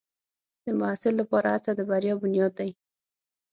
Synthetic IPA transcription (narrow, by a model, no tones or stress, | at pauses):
d̪̥əmʊɦasɪlːapɑɾaat͡sad̪əbaɾjɑbʊnjɑd̪̚ːaj